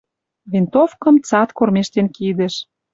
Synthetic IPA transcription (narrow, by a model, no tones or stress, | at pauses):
βent̪ofkə̆mt͡sɑt̪kormeʃt̪enkid̪ĕʃ